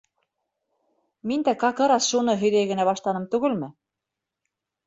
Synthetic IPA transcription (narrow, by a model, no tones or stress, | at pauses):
mind̪ækɑkɤ̆ɾɑsʃunɤɦɵ̆jðæjɡɘ̆næβɑʃlˠɑnɤmt̪ʉɣɘ̆lmɘ̆